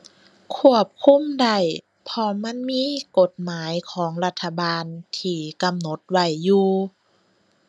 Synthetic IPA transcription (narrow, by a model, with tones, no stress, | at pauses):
kʰu˧˥˩əp̚kʰu˧˥˨mda˧˩j | pʰɔ˧ma˧˥˨nmiː˧˥ko˧˦t̪̚maː˨˦jkʰɔː˩˦ŋla˧t̪ʰːa˧baː˧nt̪ʰiː˧˩ka˧mno˧˦t̪̚wa˧˩jːuː˧